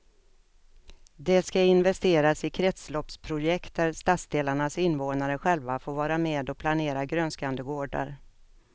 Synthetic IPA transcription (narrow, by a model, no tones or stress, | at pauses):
d̪ɛskaɪnvɛst̪eːɾasɪkʰɾɛt̪slɔpspʰɾʊjɛkt̪̚d̪æɾst̪at̪sd̪eːlaɳasɪnːvoːnaɾəɧɛlvafoːɾvɑːɾameːd̪ɔpʰlaneːɾaɡɾœnskand̪əɡoːɖa̰ɾ